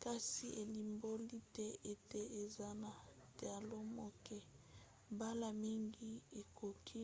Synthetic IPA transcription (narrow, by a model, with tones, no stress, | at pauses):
ka˦si˦e˨li˨mbo˦li˦tɛ˦e˦tɛ˦e˨za˦na˨tja˨lo˦mo˦kɛ˦ | ba˦la˨mi˦ŋɡi˦e˨ko˨kʰi˦